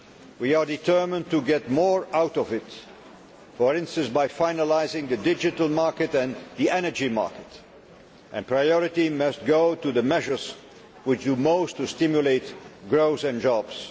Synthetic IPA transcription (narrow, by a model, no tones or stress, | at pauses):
wiə˞dɨtʰɜ˞mə̃ntuɡɛt̚mɔɹaʊɾɔvɪt | fəɹɪ̃nstə̃nsbaɪfaɪnəlaɪzɪ̃ŋðɨdɪd͡ʒɨtəl̩ˠmɑɹkɨtɨ̃nðiʔɛnə˞d͡ʒimɑ̰ɹkɨt | ʔɨ̃npʰɹ̥aɪɔɹɨtimʌst̚ɡ̥oʊtuðəmɛʒə˞z | wɪt͡ʃdumoʊstustɪ̃mjuleɪtɡɹoʊsɨ̃nd͡ʒɑbz̥